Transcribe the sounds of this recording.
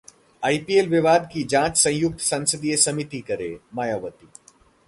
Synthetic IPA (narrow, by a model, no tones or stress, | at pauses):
aːipielʋɪʋaːd̪kid͡ʒãːt͡ʃsɐ̃jʊk̚t̪sɐ̃nsəd̪ijesɐmɪt̪ikɐɾḛːmaːjaːʋət̪i